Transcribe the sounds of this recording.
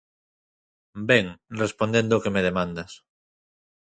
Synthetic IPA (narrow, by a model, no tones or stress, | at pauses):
beŋrespond̪end̪okemeð̞emãnd̪as